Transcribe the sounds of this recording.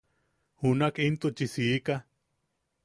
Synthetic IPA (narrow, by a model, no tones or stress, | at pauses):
hunakint̪ut͡ʃisiika